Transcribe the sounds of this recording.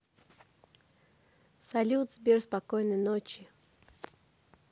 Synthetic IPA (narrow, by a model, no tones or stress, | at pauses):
salʲut̪zbʲerspakojnəjnot͡ɕɪ